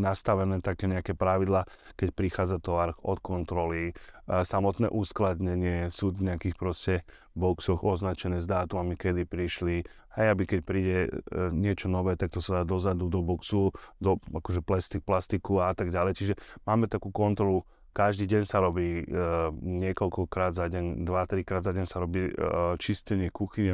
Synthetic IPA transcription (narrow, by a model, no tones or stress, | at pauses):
nast̪aʋɛnɛːt̪akɛːɲɛakɛpɾaʋid̪laː | kɛcpɾixaːd͡zat̪ɔʋaɾɔxɔt̪kɔnt̪ɾɔlisamɔt̪nɛ̰ːʔuːsklad̪ɲɛɲɪɛsuːd̪ɲɛakiːxpɾɔscɛ | bɔksɔxɔznat͡ʃɛnɛːzd̪aːt̪umamikɛd̪ipɾiʃli | hɛjabikɛc̚pɾiːɟɛɲɪɛt͡ʃɔnɔʋɛːt̪ak̚t̪ɔsad̪aːd̪ɔzad̪ud̪ɔbɔksud̪ɔakɔʒɛplɛst̪iplast̪ikuaat̪aɡɟalɛjt͡ʃiʒɛmaːmɛt̪akuːkɔnt̪ɾɔlu | kaʒd̪iːɟɛɲsaɾɔbiː | ɲɪɛkɔʎkɔkɾaːd̪zaɟɛɲd̪ʋat̪ɾikɾaːd̪zaɟɛɲsaɾɔbiːt͡ʃiscɛɲɪɛkuxiɲɛ